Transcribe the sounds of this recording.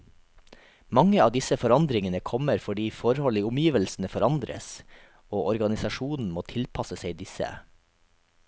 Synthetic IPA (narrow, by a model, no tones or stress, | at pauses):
mɑŋəɑːd̪ɪsəfɔɾɑnd̪ɾɪŋənəkʰɔməɾfɔɖiːfɔɾhɔliːʊmjiːʋəlsn̩əfɔɾɑnd̪ɾə̰s | oːʔɔɾɡɑnɪsɑʃuːnn̩moːt̪ʰɪlpʰɑsəseɪd̪ɪsə̰